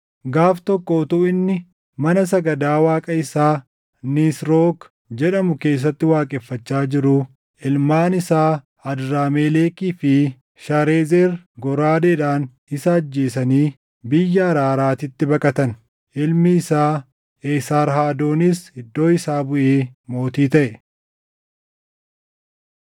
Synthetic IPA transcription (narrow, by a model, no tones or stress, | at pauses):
ɡaːft̪ɔkːot̪ʊɪnːɪ | mɐnɐs̬ɐɡɐd̪aːwaːkʼɐɪsaː | nisɾoːk | d͡ʒɛᶑɐmʊke̞ːs̬ːɐt̪ːɪwaːkʼɛfːɐt͡ʃːaːd͡ʒɪɾʊ | ɪlmaːnɪsaː | ɐd̪ɾaːmeːleːkiːfɪ | ʃaɾeːzeːɾɡɔɾaːd̪eːᶑaːn | ɪsɐːd͡ʒːe̞ːsɐniː | bɪjːɐɐɾaːɾaːt̪ɪt̪ːɪbɐkʼɐt̪ɐn | ʔɪlmɪːsaː | eːsaːɾɦaːd̪o̞ːnɪshɪd̪ːo̞ːɪsaːbʊʔeːmo̞ːt̪iːt̪ɐʔɛ